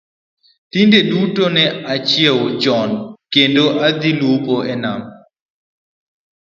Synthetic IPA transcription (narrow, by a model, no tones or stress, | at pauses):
t̪indedutonɛat͡ʃiɛwd͡ʒɔnkendoʔad̪ilupɔɛna̰m